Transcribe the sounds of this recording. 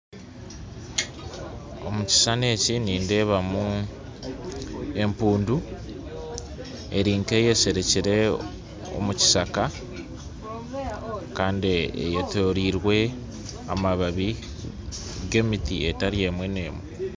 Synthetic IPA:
o̞̰muci̥sane̞ːciniːnde̞ːβamu | e̞mpuːndu | e̞ɾiːŋke̞ːje̞se̞ɾe̞ciɾe̞ | o̞̰muci̥saka | kaːndiḛjetoɾiɾwe̞ | a̰maβaβi | ɡe̞ːmitie̞taɾije̞mwe̞ne̞ːmwe

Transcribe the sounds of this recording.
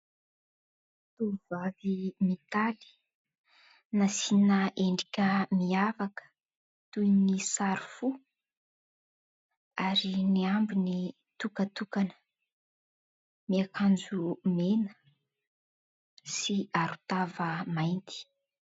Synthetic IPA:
t̪uvavimit̪ali̥ | nasinəʔeɳɖ͡ʐikʲəmiafakə̥ | t̪ujnisaɾufu | aɾiniambini | t̪ukət̪ukanə̥ | miakʰand͡zumenə | siaɾu̥t̪avəmajnt̪i̥

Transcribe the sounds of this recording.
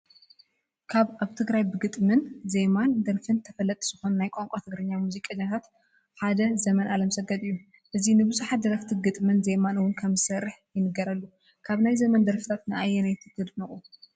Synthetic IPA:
kʰaβaβt̪ʰɨɡɾajbɨɡɨt̪ʼmɨnzemand̪ɐɾfɨnt̪ʰɐfɐlːɐt̪ʼiz̥ɨxo̞nnajkʼoŋkʼot̪ʰɨɡɾɨɲːamuzikʼɐɲːat̪ʰat̪ | ħad̪ɐzɐmɐnʔalɐmsɐɡɐt̪ʼɨjːu | ʔɨzinɨbɨzuħat̪̚d̪ɐɾɐft̪ʰiɡɨt̪ʼmɨnzemanɨwʊnkʰɐmzɨsɐɾːɨħjɪnɨɡɐɾɐlːu | kʰaβnajzɐmɐnd̪ɐɾfɨ̥t̪ʰat̪nɨʔajːɛnajt̪ʰɨkːɨd̪nɨχʼu

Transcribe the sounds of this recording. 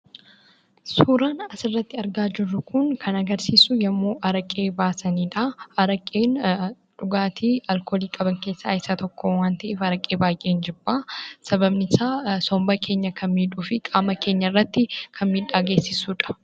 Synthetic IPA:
suːɾaːnɐsɪrːɐt̪ːɪɐɾɡaːd͡ʒɪrːʊkʊŋkʰɐnɐɡɐɾsiːsʊjɐmːoːʔɐɾɐkʼeːbaːsɐniːᶑaɐɾɐkʼːeːn | ᶑʊɡaːt̪ʰiːɐlkoːliːkʼɐbɐŋkeːsːaɪsat̪ɔkːoːwaːnt̪ɐʔeːfɐɾɐkʼːe̞ːbaːjʔeːnd͡ʒɪbːaːsɐbɐbnɪsaːsɔmbɐkʰe̞ːɲːɐkʰɐnmiːᶑuːfɪkʼaːmɐke̞ːɲːɐrːɐt̪ːɪkʰɐnmiːᶑaːɡe̞ːsːɪsuːᶑɐ̥

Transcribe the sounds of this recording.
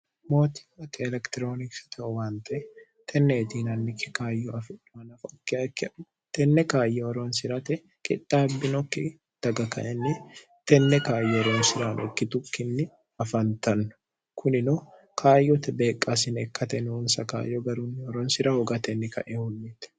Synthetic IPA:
mo̞ːt̪i̥ːɐkːɛɛlɛkt̪ɪɾoːnɪksɪ̥t̪ɐɔwaːnt̪ɐʔɛ | t̪ʰɛnːeːt̪iːnɐnːɪkʰːɪ̥kaːjːɔɐfɪᶑʊmɐnɐfkːkː | t̪ɛnːɛkaːjːɛɔɾonsɪɾɐt̪ɛ | kʼɪ̰t̪ːaːbːɪnɔkːɪ | d̪̥ɐɡɐkɐ̰ʔɛnːɪ | t̪ɛnːɛkaːjːɛɔɾoːnsɪɾaːnʔɔkːɪt̪ʊkːɪnːɪ | ɐfɐnt̪ɐnːʊ̥ | kʰʊnɪno | kʰaːjːɔt̪ɛbeːkʼːaːsɪnɛkːɐt̪ɛnunsɐka̰ːjːɔɡɐɾuːnːɪɔɾɔːnsɪɾɐhɔɡat̪ɛnːɪkɐ̰ʔɛhʊlːɪt̪ɛ̥

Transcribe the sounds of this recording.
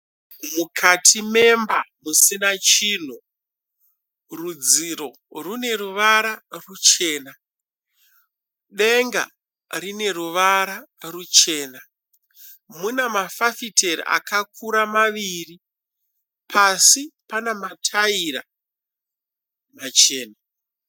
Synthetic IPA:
mukʰatʰime̞mbamusinat͡ʃiːn̤u | rud͡ziɾo̞ | rune̞ɾuʋaɾarut͡ʃe̞ːna | ɗe̞ŋɡa̰ | rine̞ruʋaɾarut͡ʃe̞ːna | munamafafitʰeɾḭʔa̰kakʰuɾamaʋiːri | pʰasipanamatʰaiɾa̰ | mat͡ʃe̞ːna

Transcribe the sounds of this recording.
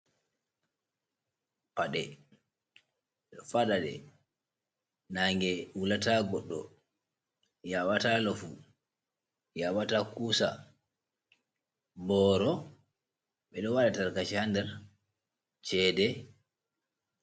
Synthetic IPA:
paɗɛ | ɔfaɗadɛ̰ | naŋɡɛwulataɡɔɗːɔ | jawatalɔfu | jawatakuːsa̰ | bɔɾɔ | ɓɛɗɔwaɗataɾkat͡ʃihandɛɾ | t͡ʃɛːdɛ

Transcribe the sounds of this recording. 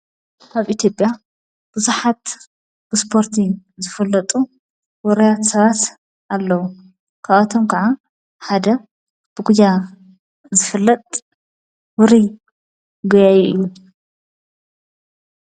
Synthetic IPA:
kʰaβʔit̪ʰjo̞pʼja | b̥uzuħat̪ | b̥ɨspʰo̞ɾt̪ʰizɨfɨlːɐt̪ʼu | wɔɾɐjat̪sɐβat̪ | ʔalːɐwu | kʰaβat̪ʰomkʰɐʕa | ħad̪ɐ | b̥ɨɡud̪a | zɨfɨlːɐt̪ʼ | wʊɾi | ɡɐjajɛʔɨjːu

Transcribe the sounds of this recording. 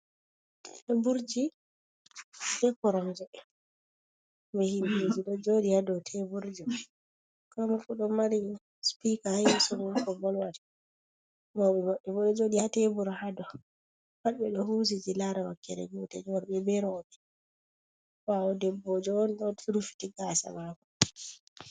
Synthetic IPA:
ɛbuɾd͡ʒi | tɛpɔɾɔmd͡ʒɛ | mɛhinod͡ʒiɗɔd͡ʒodihadɔtʰɛbuɾd͡ʒi | kamukuɗɔmaɾi | spikahajɛsɔmɔkɔbɔlwadɛ | mɔɓɛmaɓɛbɔɗɔd͡ʒodihatɛbuɾhadɔ | waɗɓɛɗɔhusid͡ʒilaɾawakːɛɾɛ̰ɡutɛ̰d͡ʒwaɾbɛbɛɾɔɓɛ | waɔdɛbːɔd͡ʒɔɔnɗɔtuɾufi̥tiɡasa̰makɔ

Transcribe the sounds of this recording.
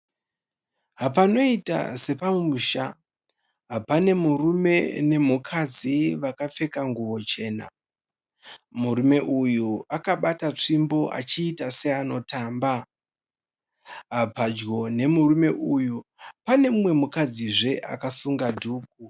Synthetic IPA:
ɦap̬ano̞ita̰se̞pamumuʃa | ɦapane̞murume̞ne̞mukʰad͡ziʋakap͡fe̞kaŋɡuʋo̞t͡ʃe̞ːna̰ | muɾume̞ʔujuakaɓatat͡ʂimbo̞ʔa̰t͡ʃiːtase̞ano̞taːmba | ɦapad͡ʒɡo̞ne̞murume̞ʔujupane̞mumwe̞mukad͡ziʐe̞ʔa̰kasuŋɡadʱuːk̚u

